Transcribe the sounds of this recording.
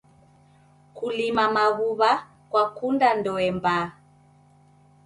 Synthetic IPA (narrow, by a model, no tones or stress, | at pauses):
kulimamaɣuβa | kwakundandɔɛmba